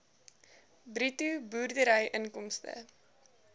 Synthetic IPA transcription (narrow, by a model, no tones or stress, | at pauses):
britubuːrdəɾəjʔənkɔmstə̰